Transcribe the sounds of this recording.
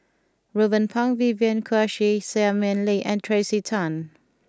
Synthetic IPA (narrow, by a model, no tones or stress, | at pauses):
ɹobə̃npʰãŋviviə̃nkʰəʃisɛamɛ̃nliʔɛ̃ntʰɹesitʰãn